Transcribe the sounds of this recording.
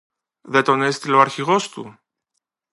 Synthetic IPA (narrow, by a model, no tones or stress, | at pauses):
ðe̞t̪o̞nest̪iloɐɾçiɣo̞st̪ṵ